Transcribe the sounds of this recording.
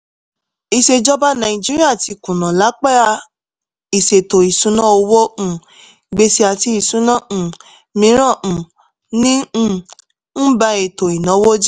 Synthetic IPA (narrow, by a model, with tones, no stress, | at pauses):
i˧ʃe˧d͡ʒɔ˦ba˦nã˨ĩ˨d͡ʒi˦ɾi˦a˦˨ti˧kũ˨nã˨la˨˦k͡pɛ˦ɾa˧ | i˨se˨to˨i˨sũ˨˦nã˦o˧wõ˦˨ | ɡ͡be˧si˧a˨˧ti˧˦i˨sũ˦nã˦˨ | mĩ˨˦ɾ̃ã˦˨ | nĩ˦˧˨ | n̩˦ba˧e˨to˨i˨nã˨˦wo˦d͡ʒi˦